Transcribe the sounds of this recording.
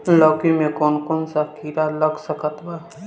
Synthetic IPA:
lɔɡimẽkonkonsakiɾaləɡsəkət̪ba

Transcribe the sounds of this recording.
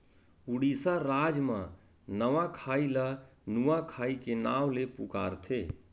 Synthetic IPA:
uɽisaɾaːd͡ʒmə̃ | nəʋakʰaːilanuwakʰaːikenaːwlepṵka̰ːɾt̪ʰeː

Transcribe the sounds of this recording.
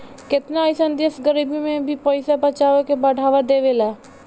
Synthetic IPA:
kɪt̪najsənd̪esɡəɾiːbimẽbʱipəɪsabɐt͡ʃaːʋekebɐɽʱaːʋad̪eːʋelaː

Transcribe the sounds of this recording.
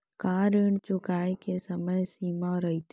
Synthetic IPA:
kaːɾəɳt͡ʃʊkaːikesɐməjsiːmãɾɐɦit̪ʰ

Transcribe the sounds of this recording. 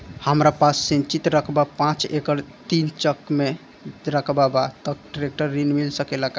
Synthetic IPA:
həmɾapasːĩnt͡ʃit̪ɾəkʰbapãt͡ʃekəɾt̪int͡ʃəkme | ɾəkʰbabat̪ək̚ɖɾek̚ʈəɾːinmilsəkelək

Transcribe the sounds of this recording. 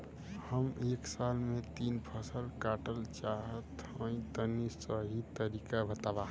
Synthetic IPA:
həmeːksalmẽt̪inpʰəsəlkaʈəlt͡ʃaɦət̪ə̃ĩt̪ənisəɦit̪əɾikabʱət̪aba

